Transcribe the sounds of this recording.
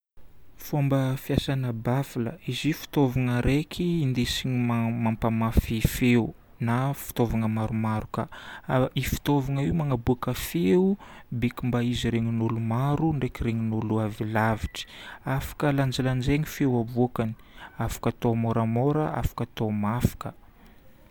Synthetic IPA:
fombəfjasanəbafiləizifi̥t̪ovaŋəɾekʰiːnd̪esiɲimamampamafifeu | nafi̥t̪ovaŋəmaɾumaɾuka | ifi̥t̪ovaŋəiwmaŋabuakəfeubekimbaiziɾeŋinulumaɾuɳɖ͡ʐekiɾeŋinuluavilaviʈ͡ʂi̥afḁkəland͡ʒaland͡ʒeŋifewabukani̥ | afḁkat̪omoɾamoɾəa̰fḁkat̪omafḁkə

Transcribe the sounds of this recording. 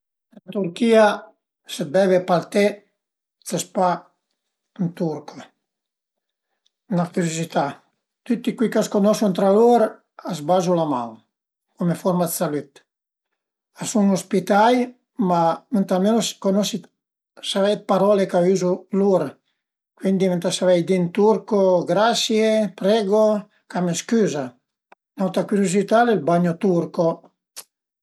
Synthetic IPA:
ənt̪uɾkiːa | seb̪ɛvepaɾt̪ɛ | t͡s̪əspa | nt̪uɾko | nafiɾosit̪a | t̪yt̪ːikwikaskonɔsunt̪ɾaloɾ | azbazulaman | kumefɔɾmad̪salyt̪ | asuŋospit̪aj | mament̪almenoskonɔsi | savɛjt̪̚paɾɔlekayːzuluɾ | kwind̪iment̪asavɛjd̪int̪uɾkoɡɾasjepɾɛːɡo | kameskyːza | nawt̪akuɾjozit̪aːleilbaɲːot̪uɾko

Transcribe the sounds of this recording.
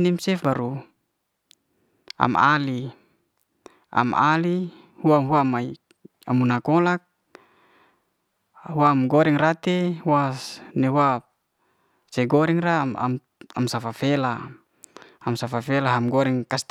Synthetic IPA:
nimsɛfbaɾu | a̰ma̰li | a̰ma̰li | huamɦuamai | amunakɔlak̚ | huamɡɔɾɛŋrat̪ehwasnɛwa | sɛɡɔɾɛŋraa̰m | amsafafela | amsafafɛlaɦamɡɔɾɛŋkast̪

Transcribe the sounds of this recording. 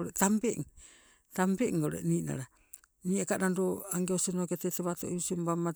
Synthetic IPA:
ɾetambeʔŋ | tambeŋɡaɾḛnina̰ɾa | niakanandoaŋɡeosinoketeteβatoʔiisiombama

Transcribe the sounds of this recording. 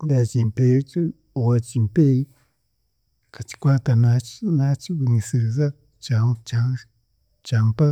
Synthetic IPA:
dat͡ʃimpet͡ʃu | owat͡ʃimpej | kat͡ʃi̥kʷat̪anat͡ʃnat͡ʃiwiŋisɨza | t͡ʃat͡ʃa | t͡ʃampa

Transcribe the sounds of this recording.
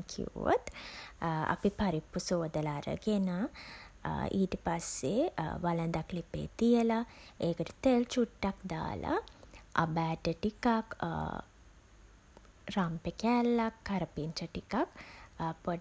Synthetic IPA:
kʰḭo̰t̪ | a̰pipaɾipːusoːd̪əlaɾə̰ɡena | iːʈəpasːeʋalənd̪aklipḛːt̪ijəlaeːkəʈə̥t̪elt͡ʃuʈːakd̪a̰ːla̰a̰bæːʈəʈikak | ɾampekɛlːakːaɾəpintɾəʈikakpo

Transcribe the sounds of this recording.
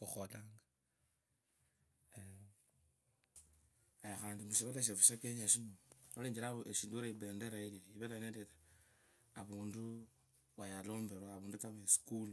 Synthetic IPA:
xuxolaːŋɡa | ajaxaːndimuʃiβoleʃ̬efuʃakeɲaʃimooleːɲd͡ʒilaoʔeʃiːnduɾaibe̞ːndeɾaeliiβelaneːndeta | aβuːndu | βajalo̞ːmbe̞ɾwaβuːndutaβesi̥kulu

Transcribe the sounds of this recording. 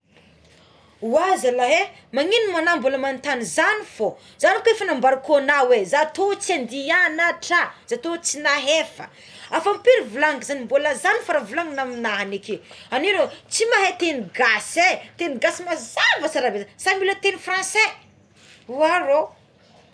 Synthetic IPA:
uazalaɦe | maŋinumanamboləmant̪anizanifo | z̥anikefanambaɾukonawezat̪ot͡sand̪ianaʈ͡ʂazat̪ot͡sinaɦefə̰ | afampiɾivulaŋɡizanimboləzanifaɾavulaŋɡnaminaɦanekeaninot͡simaɦet̪eniɡaset̪eniɡasimazavət͡saɾabezasamulət̪enifrãnse | uaɾo

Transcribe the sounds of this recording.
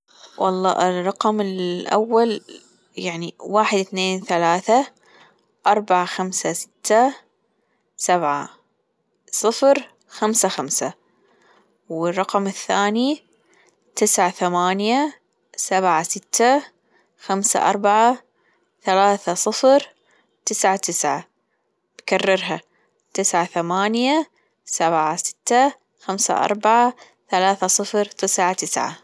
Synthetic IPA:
wɑ̰lˤːɑ̰ːʔɪrˤːɑqmɪlʔa̰wːal | jaʕniwaːħɪd̪θneːnθalaːθa | ʔɑɾˤbaʕaxamsasɪ̥t̪ʰːa | sabʕa̰ | sˤɨfɾ | xamsaxamsa | wɪrˤːɑqmɪθːaːni | t̪ɪsʕaθamaːnja | sabʕasɪt̪ːa | xamsa̰ʔɑ̰ɾˤbaʕa | θalaːθasˤɨfɾ | t̪ɪsʕat̪ɪsʕa̰ | b̥karːɑɾɦa | t̪ɪsʕaθamaːnja | sabʕasɪ̥t̪ːa | xamsa̰ʔɑ̰ɾˤbaʕa | θalaːθasˤɨfɾt̪ɪsʕat̪ɪsʕa̰

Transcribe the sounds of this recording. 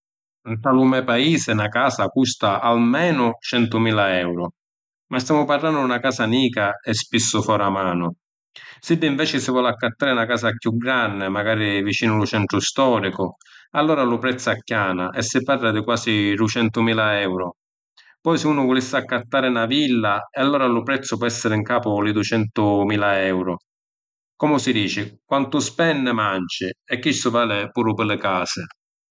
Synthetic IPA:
nt̪alumɛpaiːsɪnakaːsakust̪aʔalmɛːnʊt͡ʃɛnt̪ʊmiːlaɛwɾʊ | mast̪jaːmʊparlanːdʊd̪unakaːsaniːkaɛspisːʊfɔːɾamaːnʊ | sid̪ːɪiɱvɛːt͡ʃɪsɪvwɔlakːat̪ːaːɾɪnakaːsakjuɡɾanːɪmaɡaːɾivit͡ʃiːnʊlʊt͡ʃɛnt̪ɾʊst̪ɔːɾikʊ | alːɔːɾalʊpɾɛt̪sːakːjaːnaʔɛsːɪparːad̪ɪkwaːsiɾut͡ʃɛnt̪ʊmiːlaɛwɾʊ | pɔjsɪuːnʊvʊlisːɪakːat̪ːaːɾɪnavilːaɛalːɔːɾalʊpɾɛt̪sːʊpɔɛsːɪɾɪŋkaːpʊlɪd̪ut͡ʃɛnt̪ʊmiːlaɛwɾʊ | kɔmʊsid̪iːt͡ʃɪkwant̪ʊspɛnːɪmant͡ʃɪɛkːisːʊvaːlɪpuːɾʊpɪlːɪkaːsɪ

